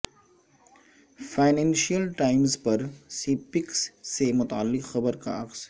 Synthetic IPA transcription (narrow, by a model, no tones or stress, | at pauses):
faːɪnɛ̃ːnʃiəlʈaːɪmzpɐɾsiːpɪksːemʊt̪aalːɪqxɐbəɾka̰ɐqs